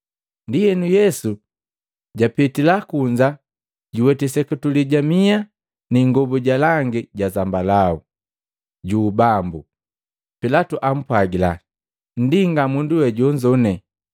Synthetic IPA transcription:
ndijɛnujɛsu | ɟapitilakuɲd͡ʒa | ɟiwɛtɛsɛkutuliɟamia | niŋɡɔbuɟalaŋɡiɟazambalaṵ | ɟuːbambu | pilatuʔam̩pwaɡila | n̩diŋɡamunduwɛɟɔɲd͡ʒɔnɛ

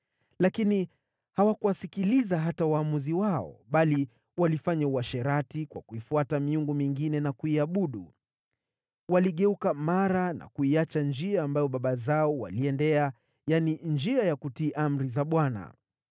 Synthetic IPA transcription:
lakini | hawakuwasikilizaɦatawaːmuziwaɔ̰ɓali | walifaɲauaʃɛɾatikwa̰kuifuatamiuŋɡumiŋɡinɛnakuiaɓuɗu | waliɠɛukamaɾana̰kuiat͡ʃand͡ʒiaːmbajɔɓaɓazaɔwa̰liɛndɛa | janind͡ʒiajakutiːʔam̩ɾizaɓwana̰

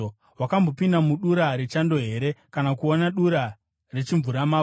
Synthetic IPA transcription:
wakambo̞pindamuɗuɾaɾet͡ʃando̞ɦe̞ɾe̞kanakuonaɗuɾa | re̞t͡ʃiɱvuɾamaː

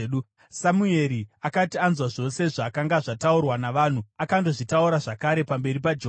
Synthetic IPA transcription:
u | samue̞ɾiakatianzwaʐo̞se̞ʐaːkaŋɡaʐataurwanaʋaːn̤uakando̞ʐitauɾaʐakaɾe̞pambe̞ɾipad͡ʒe

